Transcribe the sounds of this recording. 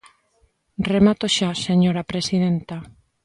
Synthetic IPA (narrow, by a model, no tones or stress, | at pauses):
remat̪oʃaseɲoɾapɾesið̞ent̪a